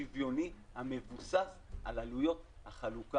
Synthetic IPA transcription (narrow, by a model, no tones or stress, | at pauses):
ivjo̞ni | hame̞vusasʔalalujo̞t̪haχaluka